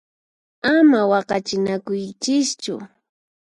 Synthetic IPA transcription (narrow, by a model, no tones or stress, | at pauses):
amawɑqɑt͡ʃɪnakʊjt͡ʃɪst͡ʃʊ̰